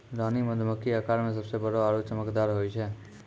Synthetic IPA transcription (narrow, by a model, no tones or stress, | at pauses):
ɾaniməd̪ʱməkːiakaɾmẽs̬əbsebəɽoaɽut͡ʃəməkd̪aɾɦojt͡ʃʰe